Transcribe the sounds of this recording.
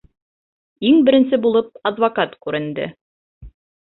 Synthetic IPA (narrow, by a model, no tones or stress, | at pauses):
iŋbɘ̆ɾɘ̆nsɘbulˠɤp̚ɑd̪vɐkat̪kʉɾɘ̆nd̪ɘ̰